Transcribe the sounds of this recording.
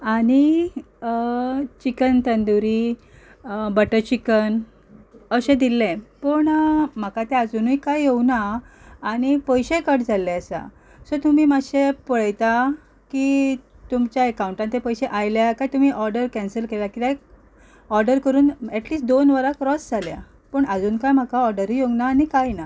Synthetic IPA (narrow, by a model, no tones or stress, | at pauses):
aɽ̃i | t͡ɕikənt̪ənd̪uɾi | bəʈəɾt͡ɕikən | əɕẽd̪ilːẽpəɳm̤əkat̪ɛad͡zunujkajɦewnaː | ɽ̃ipəjɕẽkəʈd͡zʱalːɛəsa̰ | sɔt̪um̤iːmaɕepəɭəjt̪a | ki | t̪umt͡ɕjaekauɳʈant̪epəjɕẽʔajljakajt̪um̤iːʔɔɾɖəɾkɛ̃nsəlkelakit̪aj | ɔɾɖəɾkəɾuːnɛʈliːsʈ̚d̪onʋəɾakɾɔsd͡zʱalja̰ | pəɳəd͡zuːnkajm̤akaɔɾɖəɾijoɡnaːnikajna